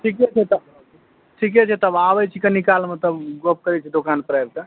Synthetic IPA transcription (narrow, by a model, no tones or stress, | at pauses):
ʈʰikɛt͡ʃʰɛt̪ə | ʈʰik̬ɛt͡ʃʰɛt̪əbaʋət͡ʃʰikɐnikaːlmət̪ləbɡop̚kəɾɛt͡ʃʰid̪okaːnpɾajb̚t̪ə